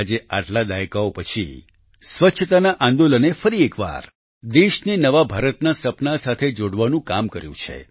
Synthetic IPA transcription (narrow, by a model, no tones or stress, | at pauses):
d͡ʒeʔaʈlad̪aekaopət͡ʃʰḭ | sʋətːʃʰət̪anaʔãnd̪olənefəɾiekʋa̰ɾ | d̪eʃninəʋabʱaɾət̪nasəpnasat̪ʰed͡ʒoɽʋanũkamkəɾjṵ̃t͡ʃʰḛ